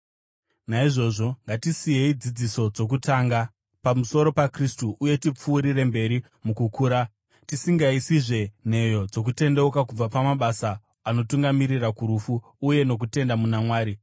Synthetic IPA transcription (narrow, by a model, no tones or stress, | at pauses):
naiʐo̞ʐo̞ŋɡatisije̞id͡zid͡ziso̞d͡zo̞k̬utaːŋɡa | pamuso̞ɾo̞pakristuʔuje̞tip͡fuːɾire̞mbe̞ɾi | mukukuːɾa | tisiŋɡaisiʐe̞n̤e̞jo̞d͡zo̞k̬ute̞ndeukakub͡vapamaɓasaː | no̞tuŋɡamiɾirakuɾufuː | je̞no̞k̬ute̞ndamunamwaːɾi